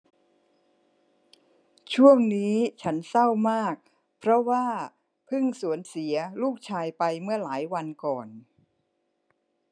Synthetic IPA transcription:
t͡ɕʰu˥˩əŋniː˦˥t͡ɕʰa˦˥nsa˥˩wmaː˥˩k̚ | pʰɾɔ˦˥waː˥˩ | pʰɯ˥˩ŋsu˨˩˦ənsi˩˦ɐluː˥˩k̚t͡ɕʰaː˧jpa˧jmɯ˥˩əlaː˩˦jwa˧nkɔː˨˩n

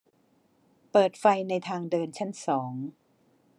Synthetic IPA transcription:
pɤː˨˩t̪̚fa˧jna˧jt̪ʰaː˧ŋdɤː˧nt͡ɕʰa˦˥˩nsɔː˩˦ŋ

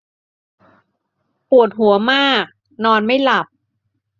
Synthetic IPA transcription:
pu˨˩ət̪̚ɦu˩˦ɐmaː˥˩k̚ | nɔː˧nma˥˩jla˨˩p̚

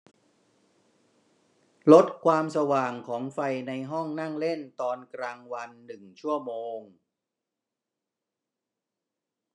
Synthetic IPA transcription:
lo˦˥t̪̚kʰwaː˧msa˧waː˨˩ŋkʰɔː˩˦ŋfa˧jna˧jɦɔ˥˩ŋna˥˩ŋle˥˩nt̪ɔː˧nkɾaː˧ŋwa˧nːɯ˨˩ŋt͡ɕʰu˥˩ɐmoː˧ŋ

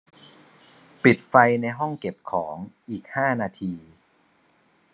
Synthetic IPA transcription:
pi˨˩t̪̚fa˧jna˧jɦɔ˥˩ŋke˨˩p̚kʰɔː˩˦ŋʔiː˨˩k̚haː˥˩naː˧t̪ʰiː˧

